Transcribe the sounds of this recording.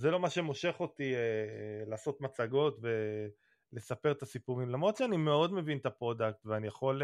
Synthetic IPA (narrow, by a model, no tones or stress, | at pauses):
zelo̞maʃemo̞ʃe̞χo̞t̪ielaːso̞t̪mat͡saɡo̞tve̞ | le̞sape̞ʁt̪asipuʁimlamʁot̪ʃeanime̞o̞d̪me̞vint̪apʁo̞dak̚t̪veanijaχo̞l